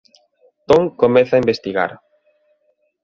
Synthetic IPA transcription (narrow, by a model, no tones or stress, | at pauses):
t̪oŋkomɛθaimbest̪iɣa̰ɾ